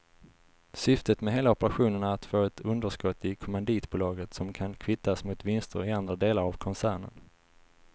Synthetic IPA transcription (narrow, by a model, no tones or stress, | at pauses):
sʏft̪ət̪mɛɦeːlaɔpəɾaɧuːnəɳaat̪foːɛt̪ʰɵnd̪əʂkɔt̪ːɪkʰɔmand̪iːt̪buːlɑːɡət̪sɔmkʰankʰvɪt̪ːasmʊt̪vɪnst̪ə̰ɾɪand̪ɾad̪eːlaɾavkʰɔnsæːɳə̰n